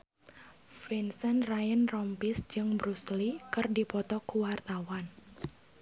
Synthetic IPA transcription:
fɛnsənrajənrɔmpisd͡ʒɨŋbɾuslikɨrdipɔt̪ɔkuwart̪awan

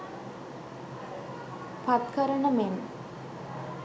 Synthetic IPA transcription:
pat̪kəɾəɳəmem

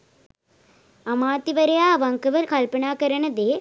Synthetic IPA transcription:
ɐmaːt̪ːiʋɐɾɐjaːʋɐŋkɐʋɐɾkɐlpɐɳaːkɐɾɐɳɐd̪eː

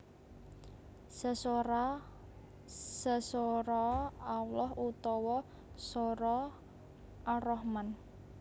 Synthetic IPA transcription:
səs | səsoɾɔawlɔɦut̪ɔwɔ | soɾɔ | ʔarɔhman

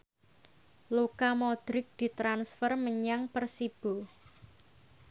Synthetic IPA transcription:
lokamɔd̪̥ɾɪk̚d̪̥i̤t̪ɾansfərməɲaŋpərsib̥o̤

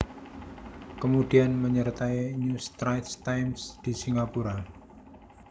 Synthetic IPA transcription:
kəmud̥ianməɲərt̪aiɲust̪ɾajt̪st̪ajmsd̪̥i̤siŋɡapuɾa

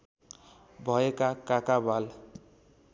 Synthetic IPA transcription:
bʱʌekakakabal

